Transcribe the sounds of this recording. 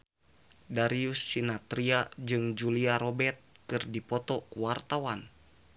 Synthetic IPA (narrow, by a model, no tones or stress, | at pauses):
daɾiusːinat̪ɾiad͡ʒɨŋd͡ʒuliaɾɔbɛt̪̚kɨrdipɔt̪ɔkuwart̪awan